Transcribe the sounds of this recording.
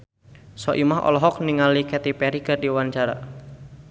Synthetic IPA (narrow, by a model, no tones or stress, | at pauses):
sɔʔimaɦɔ̰lɔɦɔk̚niŋalikɛt̪ipɛɾikɨrdiwaɲt͡ʃaɾa̰